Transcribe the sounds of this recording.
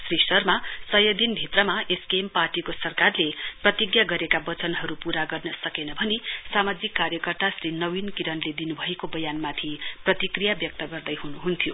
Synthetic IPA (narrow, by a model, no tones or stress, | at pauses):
srisʌrmasʌjʌd̪inbʱit̪rʌmaeskemparʈikosʌrkarleprʌt̪iɡjaɡʌɾekabʌt͡sʌnɦʌɾupuɾaɡʌrnʌsʌkenʌbʱʌnesamad͡zikːaɾjʌkʌrt̪asrɾinʌwinkiɾʌnled̪inubʱʌekobʌjanmat̪ʰiprʌt̪ikrijabjʌk̚t̪ʌɡʌrd̪ʌjɦunuɦunt̪ʰijo